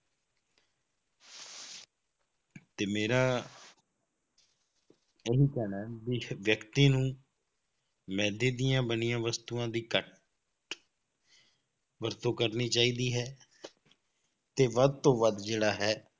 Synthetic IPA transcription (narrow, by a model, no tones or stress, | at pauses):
t̪eːmeːɾaː | ɪɦiːkɛːnaːbiʋjəkt̪iːnũː | mɛ̃ːd̪eːd̪ɪjãːbənɪjãːʋəst̪uːãːd̪iːkəʈ | ʋəɾt̪õːkəɾniːt͡ʃaːiːd̪iːɦɛː | t̪eːʋəd̪̚t̪õːʋəd̪d͡ʒeːɽaːɦɛː